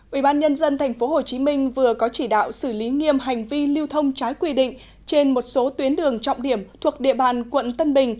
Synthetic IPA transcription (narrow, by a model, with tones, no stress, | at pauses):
ʔʔi˧˩ɓaː˧nɲə˧nzə˧nt̪ʰa˨˩jŋ̟fo˨˦ɦo˨˩t͡ɕi˨˦mï˧ŋ̟vɨ˨˩əkɔ˨˦t͡ɕi˧˩ɗa̰ː˧˨wsɨ˧˩li˨˦ŋi˧əmɦa˨˩jŋ̟vi˧li˧wt̪ʰə˧wŋ͡mt͡ɕaː˨˦jkwi˧ɗḭ̈˧˨ŋ̟ | t͡ɕe˧nmo˨˩t̚so˨˦t̪wi˨˦ənɗɨ˨˩əŋt͡ɕɔ̰˧˨wŋ͡mɗi˧˩əmt̪ʰu˨˩ək̚ɗḛ˧˨ɓaː˨˩nkwə̰˧˨nt̪ə˧nɓï˨˩ŋ̟